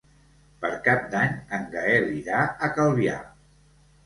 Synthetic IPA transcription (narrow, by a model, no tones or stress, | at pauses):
pəɾkap̚d̪aɲəŋɡəeriðaəkəlˠβia̰